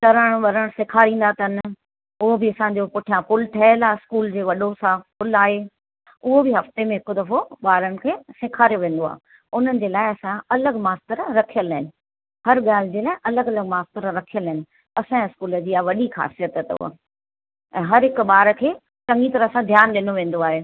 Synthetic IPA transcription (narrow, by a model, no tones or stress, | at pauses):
ʈɐɾəɽ̃ɓɐɾəɽ̃sɪkʰaːɾĩːn̆d̪at̪ʰɐn | ʊɦobɪɐsãːɲ̆d͡ʑopʊʈʰijãpʊlʈʰɐɦəlaːɪskuːld͡ʑeːʋɐɗosãpʊlaːɦeː | ʊɦobɪɦɐft̪emẽɦɪkod̪ɐfoɓaːɾənɪ̆kʰeːsɪkʰaːɾijoʋẽːn̆d̪oa̰ː | ʊn̤ənɪ̆d͡ʑeːlaːɪɐsãɐləɡmaːst̪əɾɾɐkʰijəlɦɪnɪ̆ | hɐɾɠaːl̤ɪd͡ʑeːlaːɪʔɐləɡɐləɡ̚maːst̪əɾɾɐkʰijəlɦɪnɪ̆ | ɐsãɪskuːləd͡ʑiːaʋɐɗixa̰ːsijət̪ət̪ʊ̰ɦo̰ | ɛ̃ːɦɐɾɦɪkʊɓaːɾəkʰeː | ʈɐ̃ŋɡit̪ɐɾɐsãd̪ʱjaːnɗɪnoʋẽːn̆d̪oaːɦeː